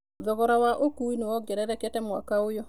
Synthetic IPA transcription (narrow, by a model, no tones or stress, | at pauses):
ðɔɣɔɾawaʔokuinewɔɡɛɾɛɾɛkɛtɛmwa̰kaojo